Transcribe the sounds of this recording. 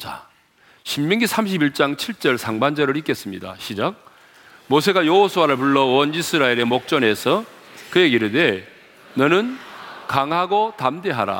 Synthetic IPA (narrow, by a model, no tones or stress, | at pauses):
t͡ɕa̰ | ɕʰimːʌŋɡisʰamɕ̬ʰibiɭt͡ɕ͈aŋt͡ɕʰiɭt͡ɕ͈ʌɭsʰaŋband͡ʑʌɾɯɾik͈e̞s͈ɯmɲida̰ɕʰid͡ʑak̚ | mosʰe̞ɡajoɦosʰuwaɾɯɭpuɭːʌwʌnisʰɯɾaiɾe̞mok̚t͡ɕ͈ʌne̞sʰʌ | kɯje̞ɡiɾɯɭde̞ | nʌnɯnkaŋɦaɡotamde̞ɦaɾa̰